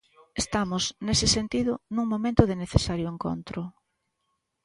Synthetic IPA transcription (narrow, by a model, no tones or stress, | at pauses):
est̪amʊznesɪsent̪iðʊnũŋmomẽnt̪ʊðɪneθesaɾjʊeŋko̰nt̪ɾʊ